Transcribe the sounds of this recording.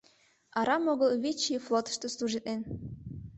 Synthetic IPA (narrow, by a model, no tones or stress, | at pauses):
ɑɾɑmoɣɤlˠβʲit͡ɕiflˠot̪ə̥ʃt̪oslˠuʒit̪en